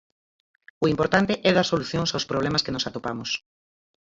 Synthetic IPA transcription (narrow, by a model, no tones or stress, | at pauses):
ʊimpoɾt̪ant̪eʔɛðasoluθjoŋsawspɾoβlɛmaskenʊsat̪opamʊs